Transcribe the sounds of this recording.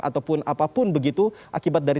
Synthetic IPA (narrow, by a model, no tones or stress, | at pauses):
ʔa̰t̪awpʊnapapʊnbəɡit̪uʔakibat̪̚daɾi